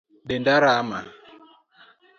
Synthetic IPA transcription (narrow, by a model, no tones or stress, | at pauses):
ɗɪndaɾama